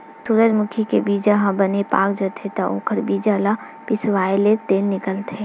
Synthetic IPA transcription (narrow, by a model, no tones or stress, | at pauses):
suɾəd͡ʒmʊkʰikebiːd͡ʒaɦãbənepa̰ːk̚d͡ʒət̪ʰet̪aʔo̰ːkʰəɾbiːd͡ʒala | pɪsʋaːelet̪eːnːɪkəlt̪ʰe